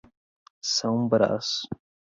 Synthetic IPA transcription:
sɐ̃w̃ũbɾa̰sʊ̥

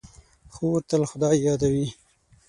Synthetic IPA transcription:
xowɾt̪əlxʊd̪ɑjːɑd̪awi

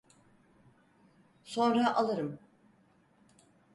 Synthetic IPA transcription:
so̞nɾaʔalˠɯɾɯm

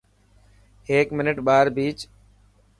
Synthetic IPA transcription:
ɦeːkmɪnɪʈɓaːɾbiːt͡ʃ

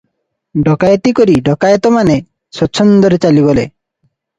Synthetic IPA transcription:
ɖʱɔkajt̪ikoɾiɖɔkajt̪ɔmane | sɔt͡ʃʰːɔnd̪ɔɾet͡ʃaliβɔle

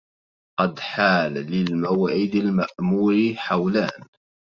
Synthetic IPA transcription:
qɑd̪ħaːlːɪlmawaːʕɪd̪almaʔmuːɾiħawlaːn

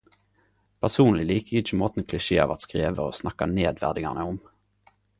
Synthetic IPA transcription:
pʰæʁsuːnlɪliːkəɪt͡ʃːəmoːt̪n̩kʰlɪʃeːɑ̰ːʋɑ̰t̪skʁeːʋəo̰ːsnɑkːɑneːd̪ʋæ̰ʁd̪ɪŋɑʁnəʊm

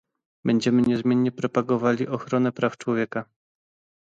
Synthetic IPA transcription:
bɛɲd͡ʑɛmɘɲɛzmʲjɛnɲɛpɾɔpaɡɔvalʲiʔɔxɾɔnɛpɾaft͡ʂwɔvʲjɛka

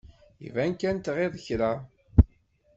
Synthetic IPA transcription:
ḭvænkænt̪ʁeðˤəçɾæ

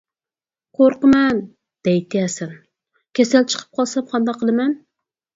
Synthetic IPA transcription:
qʰoɾqəmɛn | d̪̥ɛjt̪ʰɪjɛsɛn | kʲʰesælt͡ʃʰə̥qʰə̥p̚qʰɑlˠsɛmqʰɑnd̪ɑqʰːəlˠɪmɛn

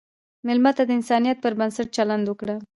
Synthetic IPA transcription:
mɪlmat̪ad̪əɪnsɑnijat̪̚pəɾbənsaʈ̚t͡ʃaland̪wəkɽa

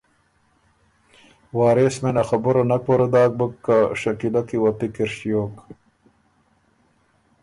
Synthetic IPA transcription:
waːɾesmenaxabuɾɐnakoɾad̪aːk̚bəkːaʂɐkilakiwat̪ikiɾɕjoːk

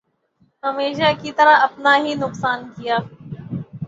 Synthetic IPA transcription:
ɦəmeːʃaːkiːt̪əɾaɐpnaːɦiːnʊksaːnkɪjaː

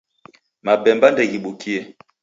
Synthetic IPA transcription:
mabɛmbandɛɣiɓukʰiɛ

